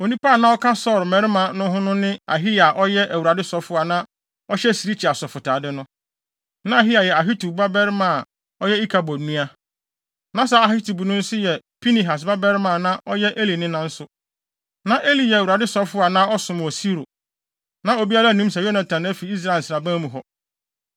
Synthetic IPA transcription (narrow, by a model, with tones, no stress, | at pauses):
o˨nĩ˦pa˦˨nã˦ɔ˦kʰa˦sɔ˦˨ɾmɛ̃˨˦ɾmã˨nʊ̃˦ɦʊ̃˦nʊ̃˦nɪ̃˦a̰˨ɦi˦ja˨ʔɔ˦jɛ˦ʔæ˨wu˨a˨dɪ˦sɔ˨fʊ˦a˨nã˦ | ɔ˦ɕɛ˦si˨ɾi˦t͡ɕʰi˨a˨sɔ˨fʊ˨tʰaː˨dɪ˦nʊ̃˦ | nã˦a˨ɦi˦a˨jɛ˨a˨ɦi˦tu˨ba˦bɛ˦ɾmã˨ | ɔ˦jɛ˦i˦kʰa˨bɔ˨nũ˦a˦ | nã˦sa˦a˨hi˦tu˨bu˨nʊ̃˦n̩˦sʊ˦jɛ˨pʰi˦ni˨ɦa˨s̬ba˦bɛ˦ɾmã˦˨nã˦ʔɔ˦jɛ˦ʔe˦li˨nɪ̃˦nã˦n̩˦sʊ˦ | nã˨ʔe˦li˨jɛ˨æ˨wu˨ɾa˨dɪ˦sɔ˨˦fʊ˦a˨nãː˦ɔ˦sʊ̃˨m˨ɔ˨si˦ɾo̰˨ | nã˦o˨bi˦a˦la˦˨nũ˦sa˨jo˦nã˨tʰã˨næ˦fi˨i˦s̬ɾa˦˨n̩˨sɾa˨bã˦mũ˨ɦɔ˨